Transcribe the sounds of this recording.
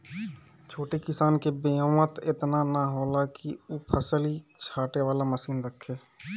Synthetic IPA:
t͡ʃʰoːʈekɪsaːnkebejõːʋə̃t̪ɪt̪nanaɦoːlakiuːpʰəsəlit͡ʃʰaːʈeʋaːlaməsiːnɾəkʰːeː

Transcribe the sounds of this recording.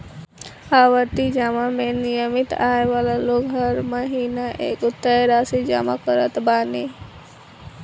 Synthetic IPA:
aːʋəɾt̪id͡ʒaːmamẽnijəmɪt̪a̰ːeʋaːlaloːɡɦəɾməɦiːnaʔḛːkʊt̪ːəeɾaːsid͡ʒa̰ːma̰kəɾə̰t̪baːne

